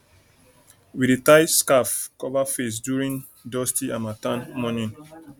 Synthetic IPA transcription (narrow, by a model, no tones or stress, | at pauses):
wiɾitajskafkɔvafes̬djuɹĩŋ | dɔstiãmatãnmɔnĩn